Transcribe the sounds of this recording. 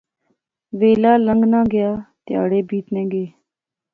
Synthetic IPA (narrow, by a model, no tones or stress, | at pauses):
ʋeːlaːləŋɡnãːɡɪjaːt̪ja̰ːɽeːbiːt̪nẽːɡeː